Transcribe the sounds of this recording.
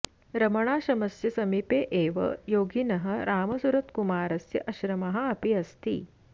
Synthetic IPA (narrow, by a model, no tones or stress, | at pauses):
ɾɐmɐɳ̃aːɕɐmɐsjɐsɐmipeːʔeːʋɐ̰joːɡinɐɦɐɾaːmɐsuɾɐt̪kumaːɾɐsjɐʔɐɕɾɐmɐɦɐɐpiɐst̪ḭː